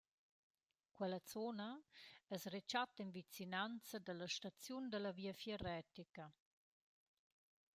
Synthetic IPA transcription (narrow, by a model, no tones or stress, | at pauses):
kwɛlət͡sonaɛsret͡ʃat̪invit͡sinant͡sad̪əlaʃtat͡sjund̪əlɐviːəfjɛɾɛt̪ika